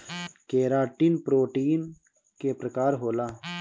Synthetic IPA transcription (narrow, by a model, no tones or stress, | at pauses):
keːɾaːʈinpɾoːʈiːn | keːpɾəkaːɾɦoːlaː